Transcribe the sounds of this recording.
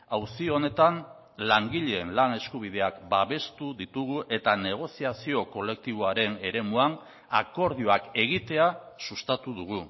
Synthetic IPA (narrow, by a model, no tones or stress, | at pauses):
awsione̞t̪an | laŋɡiʎeːnlane̞skuβ̞ið̞e̞akbaβe̞st̪uðit̪uɣ̞uʔe̞t̪ane̞ɣ̞o̞siasio̞ko̞le̞k̚t̪iβ̞oaɾe̞ne̞ɾe̞muan | ako̞ɾð̞io̞ake̞ɣit̪e̞a | sust̪at̪uðuɣu